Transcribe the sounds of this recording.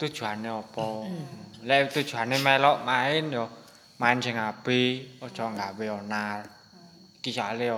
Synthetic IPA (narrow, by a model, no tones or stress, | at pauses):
t̪ud̥ʒ̥ṳɦaneɔpɔ | lɛʔt̪ud̥ʒ̥ṳɦanemɛlɔʔmaɪnjɔ | maɪnd͡ʒəŋab̥eɔd̥ʒ̥ɔŋɡaweɔnar | ikisaale